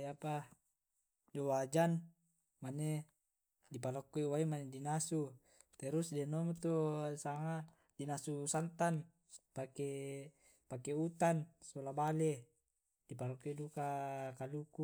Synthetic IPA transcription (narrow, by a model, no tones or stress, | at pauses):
apa | d͡ʒowad͡ʒan | mane | dipalɔkːɔiwaimanedinasu | t̪ɛɾusdɛnomt̪osaŋa | dinasusant̪an | pake | pakeut̪ansolabale | dipalokːɔidukakaluku